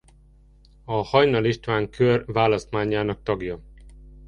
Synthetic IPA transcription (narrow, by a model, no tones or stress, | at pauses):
ɒhɒjnɒliʃt̪ʋaːŋkʰørvaːlɒst̪maːɲaːnɒk̚t̪ɒɡjɒ